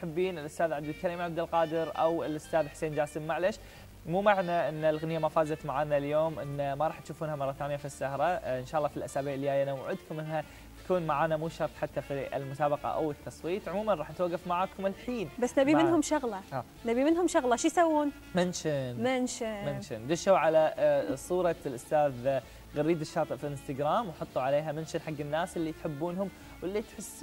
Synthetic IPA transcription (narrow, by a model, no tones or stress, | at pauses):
ħɪbːiːnɪlʔʊst̪aːðʕad̪ɪlkaɾiːmʕabd̪alqɑːd̪ɪɾʔa̰wɪlʔʊst̪aːðħseːnd͡ʒaːsɪmːaʕlaʃ | muːmaʕnaʔɪnːalɣanɪjːamafaːzat̪maʕaːnaljoːmʔɪnːmaɾˤɑːħt̪ʃuːfuːnhamɑɾˤːɑθaːnjafisːahɾˤɑʔɪnʃaːɑlˤːɑːfilʔasaːbiːʕlihaːjanawʕʊd̪kʊmʔɪnːha | t̪ḁkuːnmaʕaːnamuːʃɑɾˤt̪ˤħat̪ːafiɪ̰lmʊsaːbɑqɑ̰ʔa̰wɪt̪ʰːɑsˤwiːt̪ˤʕʊmuːmanˤɑːħnɪt̪waɡːɑfmaʕaːkʊmɪlħiːnbasːnabimɪnɦʊmʃʊɣlɑa | nabimɪnɦʊmʃʊɣlɑʃijsawːuːn | mɪnʃɪnmɪnʃɪmɪnʃɪnd̪ʊʃuwʕalasˤuːɾˤɑlʔʊst̪aːð | ɣaɾːiːd̪ɪʃːɑːt̪ˤɨʔfiʔɪnst̪aɡɾaːmwħʊt̪ˤːuʕaleːɦamɪnʃɪnħaɡːɪnːaːsɪlːit̪ħɪbːuːnɦʊm | wɪlːit̪ħɪsː